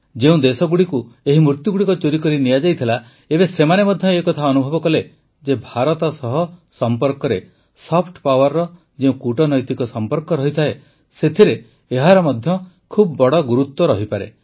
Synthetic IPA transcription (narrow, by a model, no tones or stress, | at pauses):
d͡ʒeũd̪esɔɡuɽikueɦimɾuɾt̪juɡuɽikɔt͡ʃoɾikɔɾinijad͡ʒajt̪ʰila | ebesemanemɔd̪ʱjɔekɔt̪ʰaɔnubʱɔbɔkɔle | d͡ʒebʱaɾɔt̪ɔsɔɦɔsɔmpɔɾkɔɾe | sɔpʰʈpawɔɾːɔ | d͡ʒeũkuʈɔnɔjt̪ikɔsɔmpɔɾkɔɾɔɦit̪ʰae | set̪ʰiɾeː | ɦaɾɔmɔd̪ʱjɔ | kʰubbɔɽɔɡuɾut̪ːwɔɾɔɦipaɾḛ